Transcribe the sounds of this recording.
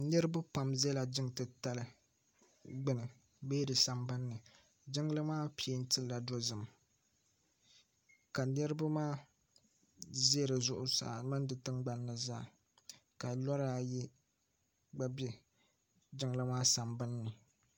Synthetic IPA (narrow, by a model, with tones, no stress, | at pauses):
nɨ˦ɾɨ˦ba˦pa˨mzɛ˦la˨d͡ʒɪ˦ŋtɨ˨ta˦lɨ˦ | ɡ͡bɨ˦nɨ˨ | beː˦dɨ˨sa˨mbɨ˦nːɨ˨ | d͡ʒɪ˦ŋlɨ˦maː˦pi˨˦e˦n̩˦tɨ˦lla˨do˦zɨ˨m | ka˨nɨ˦ɾɨ˦ba˦maː˦ | ze˦˨ɾɨ˨zʊ˦ʔʊ˦sa̰˨mɨ˦n˦dɨ˨tɨ˦ŋɡ͡ba˦nː˦ɨ˨za̰ː˦˨ | ka˨lɔ˦ɾa˦ji˦ | ɡ͡ba˦bɛ˦ | d͡ʒɪ˦ŋlɨ˦maː˦sa˨mbɨ˦nːɨ˨